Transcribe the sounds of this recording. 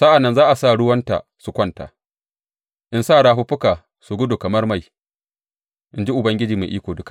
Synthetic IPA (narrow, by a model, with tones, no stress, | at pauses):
sa˦ʔa˨nːɐ˦nzaː˦ʔa˨saː˦ɽʊ˦wɐ˦nta̰˨su˨kʷɐ˦nta̰ː˨ | ʔɪ˦nsaː˦˨ɽaː˦ɸʊ˦ɸʊ˦ka˨ | sʊ˨ɡʊ˦dʊ˨kɐ˨mɐ˦rma˦˨j | ʔɪ˦nd͡ʒi˦ʔʊ˨bɐ˦ŋɡʲɪ˦d͡ʒiː˨ma̰˨ʔiː˦kʷoː˨dʊ˦kḁ˨ʔ